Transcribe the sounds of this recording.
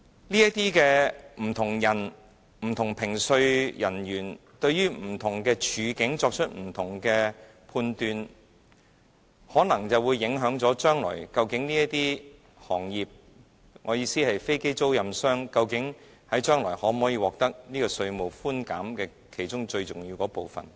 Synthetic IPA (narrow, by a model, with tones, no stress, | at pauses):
liː˥jɐ˥t̚t̪iː˥kɛː˧m̩˨˩t̪ʰʊ˨˩ŋjɐ˨˩n | m̩˨˩t̪ʰʊ˨˩ŋpʰɪ˨˩ŋsɵ˧ɥjɐ˨˩nɥyː˨˩nt̪ɵ˧ɥɥyː˥m̩˨˩t̪ʰʊ˨˩ŋkɛː˧t͡ʃʰyː˨˧kɪ˨˥ŋt͡sɔː˧k̚t͡ʃʰɵ˥t̚m̩˨˩t̪ʰʊ˨˩ŋkɛ˧ | pʰuː˧nt̪yː˨˧n | hɔː˨˥nɐ˨˩ŋt͡sɐ˨wuː˨˧jːɪ˨˧˥ŋɦœː˨˥ŋt͡sɔː˨˥t͡ʃœː˥ŋlɔ̰ː˨˩jkɐ˧wkɪ˨˥ŋniː˥jɐ˥t̪iː˥ | hɔː˨˩ŋjiː˨p̚ | ŋɔː˨˧jiː˨˧siː˥hɐ˨jfe˥jke˥jt͡so˥wjɐ˨msœː˥ŋkɐ˧wkɪ˨˥ŋ | hɐ˨˥jt͡ʃœː˥ŋlɔː˨˩jhɔː˨˥m˨hɔː˨˥jiː˧wɔː˨k̚t̪ɐ˥k̚niː˥kɔː˧sɵ˧ɥmo˨wfuː˥nka̰ː˨˥mkɛː˧ | kʰe˨˩jt͡ʃʊ˥ŋt͡ʃɵ˧ɥt͡sʊ˨˩ŋji˧wkɔː˨˥po˨wfɐ̰˨˩n